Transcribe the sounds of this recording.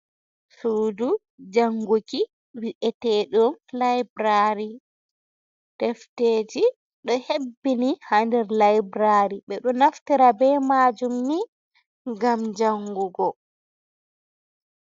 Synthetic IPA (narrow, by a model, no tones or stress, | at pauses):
suːdu | d͡ʒaŋɡuki | wiʔɛtɛɗumlajbɾaɾi | tɛfteːd͡ʒi | ɗɔhebːinihandɛɾlajbɾaɾiɓɛɗɔnaftiɾabɛːmad͡ʒumni | ɡamd͡ʒaŋɡuɡɔ